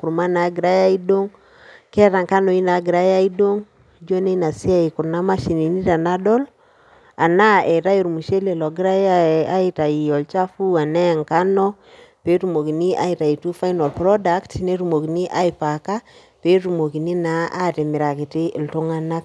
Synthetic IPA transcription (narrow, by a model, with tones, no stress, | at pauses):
ku˨ɾma˦na˨ɡi˨ɾa˦ja˦i˦do˦ŋ | kɛ˦ɾa˨ŋka˦nɔ˨i˦na˨ɡi˨ɾa˦ja˦i˦do˦ŋ | d͡ʒo˦ne˦na˨si˦a˦i˨ku˨ɾna˦ma˦ʃi˨ni˨ni˦ɾa˨na˦ɗɔ˦l | a˨na˦ɛ˨ɾa˦ji˨ɾmu˨ʃe˦le˨lɔ˨ɡi˦ɾa˦ja˦a˦i˦ta˨i˨ɔ˨lt͡ʃa˦fu˦a˨nɛ˦˨ŋka˦nɔ˦ | pe˦ɾu˨mo˨ki˨ni˦ʔa̰˦i˨ɾa˨i˨tu˦fa˦jnɔ˨lpɾɔ˦da˨ktne˦ɾu˨mo˨ki˨ni˦ʔa˦i˨pa˨ka˦ | pe˨˦ɾu˨mo˨ki˨ni˦na˦a˦te˨mɪ˨ɾa˨ki˨tɪ˦ʔlto˦ŋa˦na˦k̚